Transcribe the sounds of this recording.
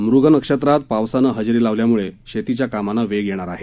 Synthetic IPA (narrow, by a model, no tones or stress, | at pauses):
mɾuɡənəkʂət̪ɾat̪̚paʋsanəɦəd͡ʑɾiːlaʋljamuɭeɕet̪it͡ɕjakamanaʋeɡjeɽ̃aɾaɦe